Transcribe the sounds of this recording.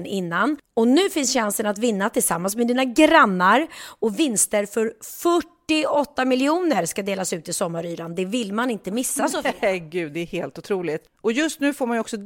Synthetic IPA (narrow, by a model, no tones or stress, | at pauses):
nɪnːanɔnʉ̟ːfɪnsɕansənat̪vɪnːat̪ʰɪlsamːans̬mɛd̪iːnaɡɾanːaɾɔvɪnst̪əɾfœɾfœʈːɪɔt̪ːamɪlɪuːnəɾʂkad̪eːlasʉ̟ːt̪ɪsɔmːaɾyːɾand̪ɛvɪlmanɪnt̪əmɪsːasɔɡʉ̟ːd̪d̪ɛæheːlt̪ʊt̪ʰɾuːlɪt̪ | ɔjɵst̪nʉ̟ːfoːɾmanjɔksɔ